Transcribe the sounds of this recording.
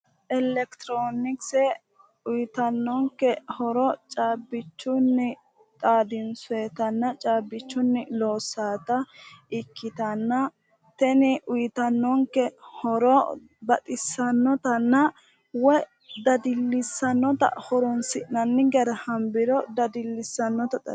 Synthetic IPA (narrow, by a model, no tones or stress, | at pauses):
ʔɛlɛkt̪ɾoːnɪksɛ | ʊjt̪ɐnːɔŋkːɛhɔɾɔt͡ʃʼaːbːɪt͡ʃːʊnːɪ | t̪ʼaːd̪ɪnsʊɛt̪ɐnːɐt͡ʃʼaːbːɪt͡ʃːʊnːɪloːsːaːt̪ɐɪkːɪt̪ɐnːɐ | t̪ɛnɪʔʊjt̪ɐnːɔŋkːɛhɔɾɔ | bɐt̪ʼɪsːɐnːɔt̪ɐnːɐ | wɔ | d̪ɐd̪ɪlːɪsːɐnːɔt̪ɐ̰hɔɾɔnsɪʔnɐnːɪɡɛɾɐhɐmbɪɾɔd̪ɐd̪ɪlːɪsːɐnːɔt̪ɐt̪ɐ